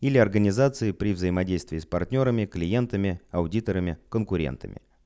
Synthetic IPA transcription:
ilʲɪɐrɡənʲɪzat̪sɨɪpɾʲɪvzəɪmɐdʲejst̪vʲɪːspɐrtʲnʲo̞ɾəmʲɪklʲɪje̞nt̪əmʲɪɐʊdʲit̪əɾəmʲɪkənkʊɾʲḛnt̪ə̰mʲɪ̰

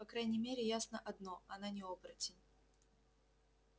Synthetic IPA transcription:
pɐkɾajnʲɪmʲeɾʲɪjasnəʔɐd̪no̞ɐnanʲɪopɾətʲɪnʲ

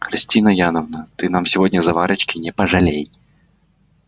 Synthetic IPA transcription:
xɾʲɪsʲtʲinəjanəvnət̪ɨnamsʲɪvodʲnʲəzɐvaɾɨt͡ɕkʲɪnʲɛpɐʐɐlʲejʲ

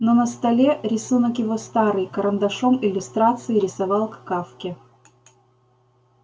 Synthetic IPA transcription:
nonəst̪ɐlʲeɾʲɪsunəkjɪvo̞st̪aɾɨjkəɾənd̪ɐʂomɪlʲːʊst̪ɾat̪sɨɪɾʲɪsɐvɑlˠkkafkʲɪ

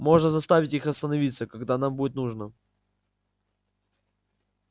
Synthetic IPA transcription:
mo̞ʐnəzɐst̪avʲɪtʲixɐst̪ənɐvʲit̪səkɐɡd̪anambudɪt̪nuʐnə

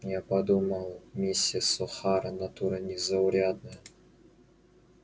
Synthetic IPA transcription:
japɐd̪umɐlˠmʲisʲːiəsɔxaɾɐnat̪uɾənʲɪzɐʊɾʲad̪̚nəjə

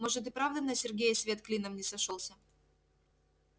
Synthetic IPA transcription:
moʐɨt̪̬ɨpɾavd̪əmnɐsʲɪrɡʲejəsʲvʲe̞t̪klʲinəmnʲɪsɐʂolˠsʲə

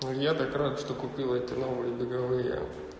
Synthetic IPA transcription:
jat̪ɐkɾad̪ʂt̪okʊpʲilˠəɛt̪ʲɪnobɨlʲɪbʲɪɡɐvɨjə̰

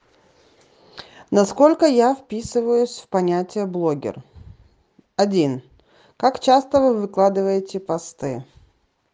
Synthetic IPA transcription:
nɐsko̞lʲkəjafpʲisɨvəjʊsʲfpɐnʲætʲɪjəblˠo̞ɡʲɪ̰r | ɐdʲin | kakt͡ɕast̪əvɨvɨklˠad̪ɨvəjɪtʲɪpɐst̪ɨ̰

